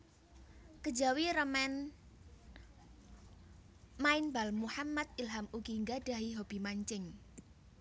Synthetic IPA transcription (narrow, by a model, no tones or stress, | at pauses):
kə̥d͡ʒawiɾəmɛn | maɪnbalmuħamːat̪̚ilɦamukiŋɡaɖ̥a̤ɦiɦob̥i̤maɲt͡ʃɪŋ